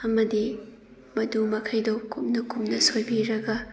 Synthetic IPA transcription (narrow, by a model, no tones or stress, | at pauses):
ɐmɐdi | mɐdumɐkʰɐjdowkumnɐkumnɐsojbiɾɐɡɐ